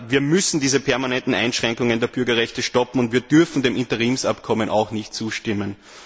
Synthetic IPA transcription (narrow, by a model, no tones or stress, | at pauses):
viːɐmʏsn̩diːzəpʰɛɐmanɛntn̩æɪnʃʁ̥ɛŋkʊŋəndeːɐb̥ʏɐɡɐʁɛçtəʃtɔpm̩ʊntviːɐd̥ʏɐfn̩deːmɪ̃ntɐʁiːmsapkʰɔmənʔa̰ʊxnɪçt̚t͡suːʃtɪmən